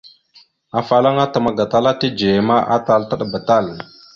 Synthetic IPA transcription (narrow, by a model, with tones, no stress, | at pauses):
a˨fa˨la˦ŋa˦ta˨ma˦ɡa˨ta˦la˦ti˦d͡ʒe˨ma˦ʔa˦ta˦˨lta˦ɗa˨ba˨ta˦˨l